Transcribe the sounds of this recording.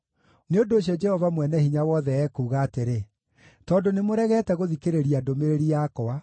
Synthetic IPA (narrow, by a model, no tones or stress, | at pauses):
neondoːɕ̬jɔd͡ʒɛhɔvamwɛnɛhiɲawɔðɛɛːkuːɣaːteɾe | tɔːndonemoɾɛɣɛtɛɣoðikeɾeɾiadomeɾeɾiakɔa